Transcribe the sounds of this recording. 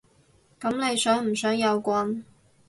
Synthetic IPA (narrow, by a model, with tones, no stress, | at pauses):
kɐ˨˥mnle˨˧jsœː˨˥ŋm̩˨˩sœː˨˥ŋjɐ˨˧wkʷɐ˧n